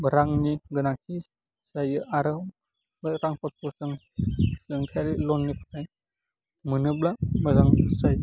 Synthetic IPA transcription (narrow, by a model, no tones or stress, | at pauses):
bəɾaŋniɡɯnakʰi | sajɯʔaɾɯw | bɯɾaŋpʰɔt̚pʰɔsɯŋ | sɯŋkʰaɾilɔnːipʰḁtʰaj | mɯnɯblamazaŋsaj